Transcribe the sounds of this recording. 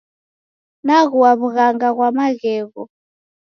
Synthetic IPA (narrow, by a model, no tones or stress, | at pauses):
naɣuwaβuɣaŋɡaɣwamaɣɛːɣɔ